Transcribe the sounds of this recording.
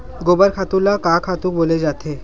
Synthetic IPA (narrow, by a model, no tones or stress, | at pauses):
ɡobəɾkʰat̪ulakakʰat̪uk̚boled͡ʑat̪ʰe